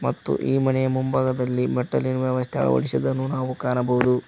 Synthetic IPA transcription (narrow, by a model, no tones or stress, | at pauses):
mɐt̪ːṵʔiːmɐnɛjɐmumbʱaːɡɐd̪ɐlːimɛʈːɐ̰linʋjɐʋɐst̪ʰɛɐ̰ɭɐ̰ʋɐ̰ɭisɐd̪ɐnːunaːʋukaːnɐbɐɦud̪u